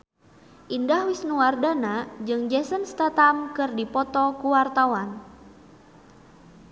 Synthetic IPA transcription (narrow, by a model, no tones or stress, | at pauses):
ʔindahwisnuwardanad͡ʒɨŋd͡ʒɛsənst̪at̪amkɨrdipɔt̪ɔkuwart̪awan